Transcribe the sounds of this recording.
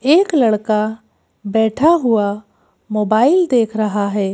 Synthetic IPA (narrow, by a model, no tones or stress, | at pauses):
eːklɐɽka | bɛːʈʰaɦʊa | moːbaːɪld̪eːkʰɾɐɦaɦɛː